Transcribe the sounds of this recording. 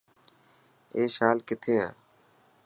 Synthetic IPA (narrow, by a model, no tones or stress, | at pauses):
eːʃaːlkɪt̪ʰeːã̰ː